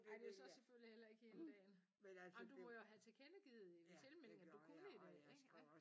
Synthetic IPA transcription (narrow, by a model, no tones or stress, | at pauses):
æd̥e̝josɒ̽seføl̰lihel̰ɐe̝ɡ̥əend̥ɛ̰ːn | meɒd̥umɒjoɦæt͡sʰe̝kʰenəɡ̥ið̩ˠelt͡sʰe̝lmel̰ŋæd̥ukʰunəidæeɡ̥ɡ̥